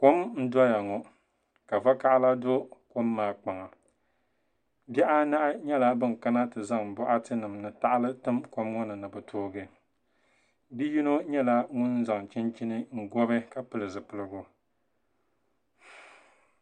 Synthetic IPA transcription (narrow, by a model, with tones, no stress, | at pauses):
ko˦mn̩˦dɔ˦ja˨ŋɔ˨ | ka˨va˦ka˦ʔla˦do˦ko˦mːaː˨k͡pa˨ŋa˨ | bɛ˦ʔa˦na˦ʔa˦ɲɛ˦la˦bɨ˦n˨ka˦na˦tɨ˨za˦ŋ˨bɔ˦ʔa˦tɨ˦nɨ˨mnɨ˨ta˦ʔa˦lɨ˦tɨ˦mko˦mŋɔ˦nɨ˨nɨ˨bɨ˨tʰoː˦ɡɨ˨ | bi˦ji˦no˦ɲɛ˦la˦ŋʊ˦n˦za˨ŋ˨t͡ʃɪ˦nt͡ʃi˦nɨ˦ŋ̩˦˨ɡɔ˦bɨ˦ka˨pɨ˦lɨ˨zɨ˨pɨ˨lɨ˦ɡʊ˦